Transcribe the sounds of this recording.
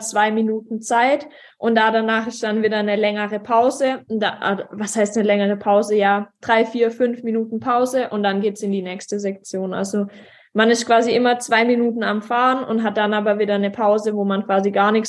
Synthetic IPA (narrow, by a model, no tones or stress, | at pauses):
t͡sv̥aɪminuːtn̩t͡saɪt | ʔʊntd̥adanaːχɪst̚d̥anviːdɐnəlɛŋəʁ̞əpʰaʊzədaʔa̰dvashaɪstnəlɛŋəʁ̞əpʰaʊzəjaːd̥ʁaɪfiːɐfʏnfminuːtn̩pʰaʊzəʔʊntd̥anɡeːtsɪndiːnɛːçstəzɛk̚t͡sjoːnʔa̰lzo | manɪstkv̥aːziʔɪmɐt͡sv̥aɪminuːtn̩amfaːənʊ̰ntɦat̚d̥anaːbɐviːdɐnəpʰaʊzəvoːmankv̥aːziɡaːɐnɪç